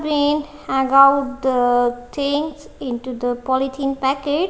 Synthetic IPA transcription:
binhæɡaʊʈ̚d̪ət̪ʰɪ̃ŋs | ɪ̃ɳʈud̪əpɔlit̪ʰĩːnpækeʈ

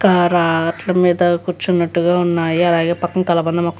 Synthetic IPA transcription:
kaɾaːʈlɐmiːd̪ɐkuːɾt͡ʃːunːɐʈːuɡaːunːaːjiɐlaːɡeːpɐkːɐŋkɐlɐbɐnd̪ɐmaːkː

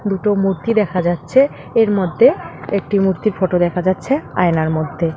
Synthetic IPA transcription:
d̪uʈomuɾt̪id̪ɛkʰad͡ʑatːɕʰe | eɾmod̪ʱːeek̚ʈimuɾt̪iɾfoʈod̪ɛkʰad͡ʑatːɕʰea̰enaɾmod̪ʱːe

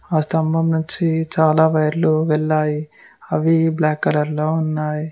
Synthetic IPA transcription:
aːst̪ɐmbʱɐmnuɲt͡ʃit͡ʃaːlaːʋɐjɐɾluʋɛɭːaːji | ɐʋiblaːkːɐlɐɾloːunːaːji

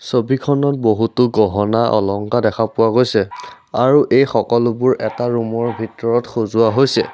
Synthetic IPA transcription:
sobikʰɔnɔt̚boɦutʊɡɔɦɔnaʔɔ̰lɔŋkadɛkʰapʊwaɡojsɛ | aɹuʔejxɔkɔlʊbʊɹʔɛtaɹumɔɹbʱitɔɹɔtxozʊwaɦojsɛ̰

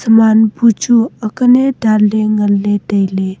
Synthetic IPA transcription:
səmanbut͡ʃuəkəneɖʱalːeŋəlːedəjle

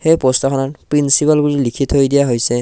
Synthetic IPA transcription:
hejpɔstakʰɔnatpɹinsipalɡulilikʰitʰhojdijaɦojsɛ

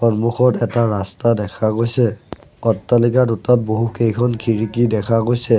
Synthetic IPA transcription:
xɔnmuxɔtɛtaɹastadɛkʰaɡojsɛɔtːalikadutat̚boɦukejkʰɔnkʰiɹikidɛkʰaɡojsɛ

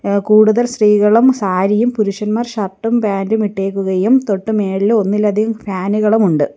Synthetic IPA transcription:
kuːɽuðɐlsriːɣɐɭumsaːɾijumpuɾuʂɐnmaːrɕɐrʈːumpaːndumiʈːe̞ːkːuɣɐjumt̪o̞ʈːume̞ːɭilo̞nːilːɐd̪ʱiɣumfaːnuɣɐɭumuɳɖɨ

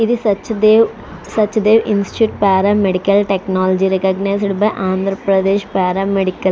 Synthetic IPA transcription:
iðɨsɐt͡ʃːd̪eːʋ | sɐt͡ʃːɐd̪eːʋʔinsʈi̥ʈjuːʈpaːɾaːmeɽikːɐlʈeknaːlɐd͡ʒiɾɛkɐɡnajsɐɽubɐʔaːnd̪ʱɾɐpɾɐd̪eːʃpaːɾaːmeɽikːɐl

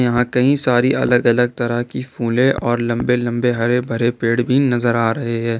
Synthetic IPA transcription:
jɐɦãkɐɦĩsaːɾiʔɐ̰ləɡɐləɡ̚t̪ɐɾəɦkifuːlẽʔɔːɾlɐ̃mbelɐ̃mbeɦɐɾebʱɐɾepeːɽbʱinɐzəɾaːɾɐɦeɦɛ̃ː

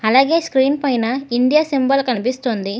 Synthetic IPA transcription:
ɐlaːɡe̞ːskɾiːnpɐjnɐiɳɖ̪ijasimbɐlkɐnipist̪ond̪i

